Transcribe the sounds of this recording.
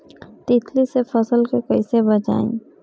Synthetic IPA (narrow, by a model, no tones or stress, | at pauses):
t̪ɪt̪ʰlisefɐsəlkekəisebɐt͡ʃa̰ːḭ̃ː